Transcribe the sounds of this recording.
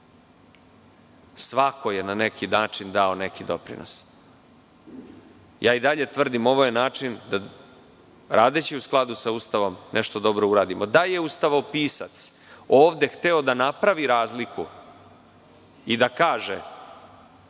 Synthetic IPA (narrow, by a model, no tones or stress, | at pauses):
sʋako̞je̞nane̞kʰinaːt͡ʂind̪ao̞ne̞kid̪o̞pɾḭno̞̰s | jʔaːid̪aʎe̞t̪ʋr̩d̪imo̞ʋo̞jenaːt͡ʂind̪a | ɾaːd̪e̞t͡ɕiusklˠad̪usaust̪aʋo̞mnʔeʃt̪o̞d̪o̞bɾo̞uɾaːd̪imod̪aje̞ust̪aʋaopiːsat̪s | oːʋd̪e̞xt̪eo̞d̪anapɾaʋiɾaːzliku | id̪akaːʒe